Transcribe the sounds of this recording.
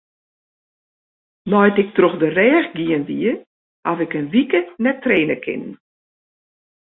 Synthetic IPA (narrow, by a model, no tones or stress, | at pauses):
nɔjtɪk̚troxdərɛːxɡiənʋiə | hafɪkənʋikənɛtːreːnəkʰɪ̰nn